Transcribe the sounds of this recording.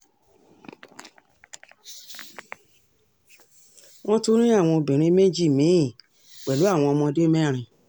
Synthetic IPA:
w̃ɔ̃˦to˦ɾ̃ĩ˦a˦˨w̃ɔ̃˧o˧bĩ˨ɾ̃ĩ˨˦mẽ˦d͡ʒi˦˨mĩ˨˦˨ | k͡pɛ˨lu˨˦a˦˨w̃ɔ̃˧mɔ̃˧de˦mɛ˦˨ɾ̃ĩ˧

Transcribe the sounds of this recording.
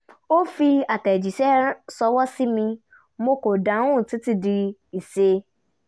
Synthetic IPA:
o˦fi˧a˨tɛ˨d͡ʒi˨ʃɛ˦sɔ˧wɔ˦si˦mĩ˧ | mo˧ko˨da˨˦ũ˦˨ti˨˦ti˧˦di˧i˨se˧

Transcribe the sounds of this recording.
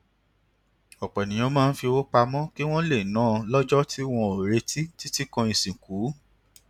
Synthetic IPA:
ɔ˨k͡pɛ˨nĩ˨j̃ɔ̃˧˦mãː˦˧n̩˦fi˧o˧o˦k͡pa˧mɔ̃˦ki˦w̃ɔ̃˦le˦˨nãː˨˦˧lɔ˦d͡ʒɔ˦ti˦w̃ɔ̃˧o˨ɾe˧˦ti˦ti˦ti˦kɔ̃˧ĩ˨sĩ˨ku˨˦

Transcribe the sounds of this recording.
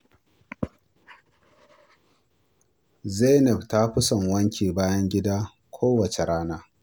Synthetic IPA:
ze˦nɛ˨bta˦ɸɪ˦sɐ˨ŋwɐ˦ŋkʲʰeː˨baː˦jɐ˦ŋɡʲɪ˦daː˦ | kʷʰoː˦wɐ˨t͡ʃe˨ɽaː˦naː˦

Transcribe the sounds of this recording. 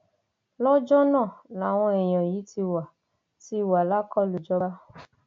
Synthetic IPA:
lɔ˦d͡ʒɔ˦nã˦˨la˨˦˨w̃ɔ̃˧ɛ˨j̃ɔ̃˨ji˨˦ti˧wa˨ | ti˧wa˨la˨˦kɔ˦lu˨d͡ʒɔ˧ba˦

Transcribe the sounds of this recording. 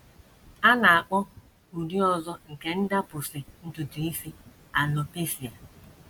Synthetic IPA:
a˦na˨a˨k͡pɔ˦ | u˨di˦ɔ˨zɔ˦ŋ̩˨ke˨n̩˦da˦pʊ˨sɪ˨n̩˦tʊ˨tʊ˨i˦si˦ | a˨lɔ˦pe˦si˨a˨

